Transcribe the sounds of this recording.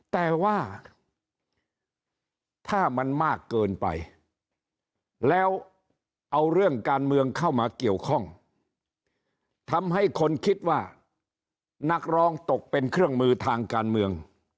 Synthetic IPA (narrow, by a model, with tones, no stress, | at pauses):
t̪ɛː˨˩waː˥˩ | t̪ʰaː˥˩ma˧nmaː˥˩kːɤː˧npa̰˧j | lɛː˦˥w | ʔa˧wɾɯ˥˩əŋkaː˧nmɯ˧əŋkʰa˥˩wmaː˧ki˨˩əwkʰɔ˥˩ŋ | t̪ʰa˧mɦa˥˩jkʰo˧nkʰi˦˥t̪̚waː˥˩ | na˦˥k̚ɾɔː˦˥ŋt̪o˨˩k̚pe˧nkʰɾɯ˥˩əŋmɯː˧t̪ʰaː˧ŋkaː˧nmɯ˧əŋ